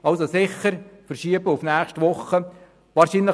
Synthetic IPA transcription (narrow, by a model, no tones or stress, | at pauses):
ʔɑlsosɪχəɾfərʃiəbəʊfnæːχʃtʋʊχːə | ʋɑːɾʃinlə